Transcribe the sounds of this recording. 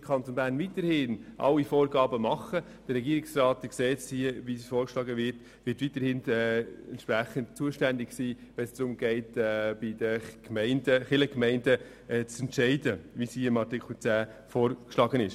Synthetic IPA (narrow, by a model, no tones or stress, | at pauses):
kʰɑntonbæːɾnvitəɾhɪnʔɑ̰wifoːɾɡɑːbəmɑχə | d̥əɾɛɡiːɾɪksrɑːtʋɪkseːtsiʋisfoːɾkʃlɑːɡəʋɪɾt | ʋɪtʋitəɾhɪnɛɛnt̪ʃpɾæχəntt͡suəʃtændɪɡsiːʋɛnsd̥ɾʊmɡ̥ɛɪtːb̥ɪd̥əkmɛɪndəχɪləkmɛɪndə | ɛt͡sɛntʃɛɪdəʋisiɪmɑɾtɪkl̩t͡sæː | fɔːɾkʃlɑːɡənɪʃ